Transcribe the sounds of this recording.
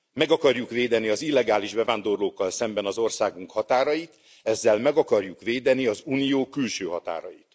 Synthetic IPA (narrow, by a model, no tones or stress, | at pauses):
mɛɡɒkɒrjukveːd̪ɛniɒzilːɛɡaːliʒbɛvaːnd̪o̞rloːkːɒlsɛmbɛnɒzo̞rsaːɡuŋkhɒt̪aːɾɒjit̪ | ɛzːɛlmɛɡɒkɒrjukʋeːd̪ɛniɒzuːnijoːkylʃøːɦɒt̪a̰ːɾɒjit̪